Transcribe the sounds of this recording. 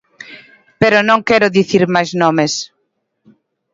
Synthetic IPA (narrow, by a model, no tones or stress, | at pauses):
peɾonõŋkɛɾʊðiθiɾmajznomes